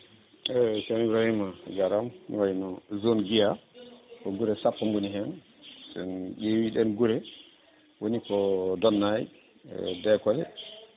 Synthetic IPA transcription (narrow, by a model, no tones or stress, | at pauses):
ɛsamibɾahimaɡaɾamwajnɔzonɡijakɔɡuɾɛsapːaŋɡuniɦɛn | sɛnɗewiɗɛnɡuɾɛ | wonikɔdɔnːaj̰ | dɛkɔlɛ̰